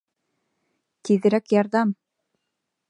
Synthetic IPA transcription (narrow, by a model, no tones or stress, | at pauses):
t̪iðɘ̆ɾækjɑɾðɑm